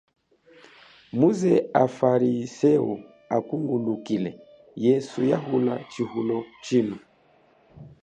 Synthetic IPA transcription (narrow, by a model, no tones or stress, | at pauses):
muzɛafaɾisɛu | akuŋɡundukilɛ | jɛsujaɦulat͡ʃihulɔt͡ʃinu